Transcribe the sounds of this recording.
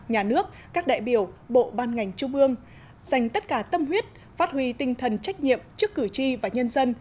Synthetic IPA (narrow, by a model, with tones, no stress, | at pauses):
ɲaː˨˩nɨ˦˥ək̚ | kaː˦˥k̚ɗa̰ː˧˨jɓi˧˩əwɓo̰˧˨ɓaː˧nŋa˨˩jŋ̟t͡ɕu˧ŋ͡mʔɨ˧əŋ | z̥a˨˩jŋ̟t̪ə˦˥t̚kaː˧˩t̪ə˧mɦwi˦˥ət̚ | faː˦˥t̚hwi˧t̪ï˧ŋ̟t̪ʰə˨˩nt͡ɕa˦˥k̟̚ɲḭ˧˨əmt͡ɕɨ˦˥əkːɨ˧˩t͡ɕi˧vaː˨˩ɲə˧nzə˧n